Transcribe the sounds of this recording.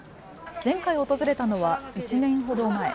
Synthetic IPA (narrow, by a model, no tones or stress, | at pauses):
z̥ẽ̞ŋkaio̞t̪o̞zɨɾe̞t̪ano̞βait͡ɕinẽ̞ɰ̃ɦo̞d̪o̞mae̞̰